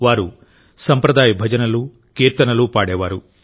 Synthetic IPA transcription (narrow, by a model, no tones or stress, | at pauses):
ʋaːɾu | sɐmpɾɐd̪aːjibʱɐd͡ʒɐnɐlu | kiːɾt̪ɐnɐlupaːɽɛːʋaːɾu